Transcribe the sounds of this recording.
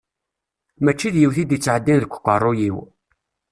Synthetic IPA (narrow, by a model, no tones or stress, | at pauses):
mæt͡ʃːiðjiwθid̪jət͡sːʕəd̪ːinðəkʷːə̥qːərˤːojiw